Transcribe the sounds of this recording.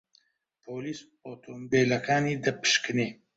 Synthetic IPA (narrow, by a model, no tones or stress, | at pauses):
pʰoːliːs | oːt̪ʰombelɐkʰaːniːd̪ɐpɨ̥ʃkɨneː